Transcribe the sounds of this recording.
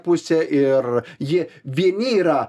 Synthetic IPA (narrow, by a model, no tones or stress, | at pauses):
pʊsʲɛʔɪrjɪʋʲiɛnʲɪːɾɐ